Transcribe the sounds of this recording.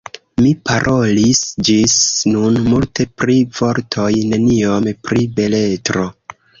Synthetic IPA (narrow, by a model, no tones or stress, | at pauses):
mipaɾʔo̞lisd͡ʒisnunmultʰe̞pɾiv̥o̞ɾtʰo̞jne̞nio̞mpɾibe̞le̞tɾo̞